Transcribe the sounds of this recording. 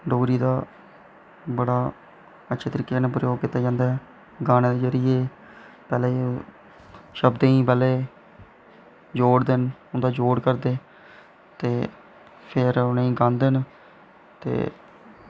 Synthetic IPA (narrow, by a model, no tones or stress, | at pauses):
ɖoːɾiːd̪aː | bəɽaː | ətːʃʰeːt̪əɾiːkːeneːpɾəjoːɡ̚kit̪ːaːd͡ʒãːnd̪aːɦɛ | ɡaːneːd̪ezəɾɪjeː | pɛːleː | ʃəbd̪ẽĩːpɛːleː | d͡ʒoːɽd̪enʊnd̪aːd͡ʒoːɽkəɾd̪eː | t̪eː | pʰɪɾʊneĩːɡãːnd̪en | t̪ḛː